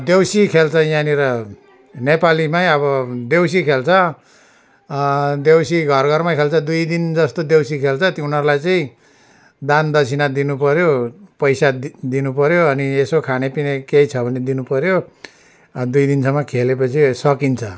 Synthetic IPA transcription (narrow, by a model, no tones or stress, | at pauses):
d̪ewsikʰelt͡sʰʌjaniɾʌ | nepalimajʌbʌd̪ewsikʰelt͡sʰʌ | d̪ewsiɡʱʌrɡʱʌrmakʰelt͡sʰʌd̪ujd̪ind͡zʌst̪od̪ewsikʰelt͡sʰʌt̪iunʌɾlajt͡saĩ | d̪and̪ʌt͡sʰinad̪inupʌɾjopʌjsad̪inupʌɾjoʌniesokʰanepinekeit͡sʰʌbʱʌned̪inupʌɾjo | d̪ujd̪insʌmːʌkʰelepʌt͡sʰisʌkint͡sʰʌ